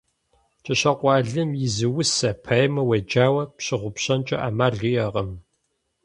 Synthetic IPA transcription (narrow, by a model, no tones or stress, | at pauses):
t͡ʃʼɐɕɐqʷɑːɮɨmjɪzɨwʊsɐpʰɐjmɐwɐd͡ʒaːwɐpɕɪʁʷʊpɕɐnt͡ʃʼɐ̰ʔaːmaːɮijɐʁɐm